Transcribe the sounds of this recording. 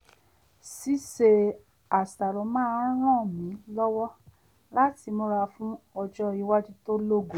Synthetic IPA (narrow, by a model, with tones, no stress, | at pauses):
si˦se˧ | a˨sta˨ɾɔ̃˨˦mãː˦˧˦ɾ̃ã˦˨mĩ˨˦lɔ˦wɔ˦ | la˦ti˧˦mo˧ɾa˧fũ˦ɔ˧d͡ʒɔ˧i˧wa˦d͡ʒi˦to˦lo˦ɡũ˨